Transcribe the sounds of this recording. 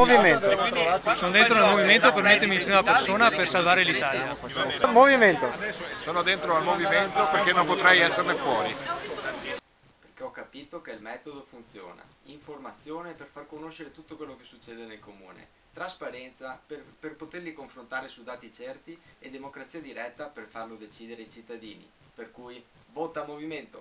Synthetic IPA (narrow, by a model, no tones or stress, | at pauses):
oviment̪sonod̪ent̪ɾoalmoviment̪opermet̪ːomipɾimapersoːnapersalvaːɾelit̪aːlja | lmoviment̪osoːnod̪ent̪ɾoalmoviment̪operkenːompot̪ɾɛjɛsːernefwɔːɾi | perkeɔkːapiːt̪okeilmɛːt̪od̪ofunt̪sjo̰ːna̰ | iɱformat̪sːjoːneperfarkonoʃeɾet̪ut̪ːokwelːokesːut͡ʃːeːd̪enelkomuːnḛ | t̪ɾaspaɾɛnt̪saperperpot̪erlikoɱfɾont̪aːɾesud̪aːt̪it͡ʃɛrt̪ied̪emokɾat̪siːad̪iɾɛt̪ːaperfarlod̪et͡ʃiːd̪eɾeajt͡ʃit̪ːad̪iːnḭ | perkuj | voːt̪amoviment̪o